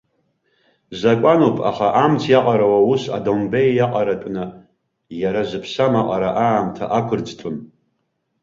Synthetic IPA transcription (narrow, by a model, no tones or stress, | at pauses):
zakʷʼanupʼʰa̰χaʔamt͡sʰjaqʼaɾawausa̰dombejaqʼaɾatʷʼnɨ | jaɾazɨpʰsamaqʼaɾaʔaːmtʰa̰ʔakʷʰʊrd͡ztʰun